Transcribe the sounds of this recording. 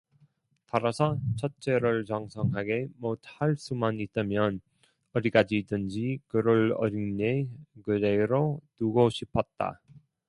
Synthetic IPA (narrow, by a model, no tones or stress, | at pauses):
taɾasʰʌt͡ɕʰʌt͡ɕ͈e̞ɾɯɭt͡ɕʌŋsʰʌŋɦaɡe̞mot̚haɭs͈umanit͈amjʌn | ʌɾik͈ad͡ʑidɯnd͡ʑikɯɾɯɭʌ̰ɾinɲekɯɾeɾonuɡoɕʰipʰʌt̚t͈a̰